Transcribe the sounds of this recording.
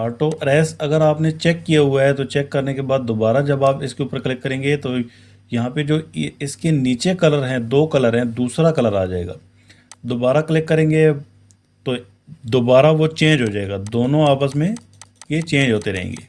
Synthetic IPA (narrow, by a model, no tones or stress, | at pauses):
aːʈoʔɾɛːsɐɡəɾaːpnet͡ʃɛːkːijaɦʊaɦɛt̪ot͡ʃɛːkːɐɾnekebaːd̪̚ːobaːɾad͡ʒɐbaːpɪskeuːpəɾklɪkːɐɾẽːŋɡet̪o | jɐɦãped͡ʒoːɪskeniːt͡ʃekɐləɾɦɛ̃d̪oːkɐləɾɦɛ̃d̪uːsɾakɐləɾa̰ːd͡ʒaːḛːɡa̰ː | d̪oːbaːɾaklɪkːɐɾẽːŋɡe | t̪o | d̪obaːɾaʋot͡ʃẽːɲd͡ʒɦod͡ʒaːeːɡad̪oːnõaːpəsmẽ | jet͡ʃẽːɲd͡ʒɦoːt̪eɾɐɦḛ̃ːŋɡḛː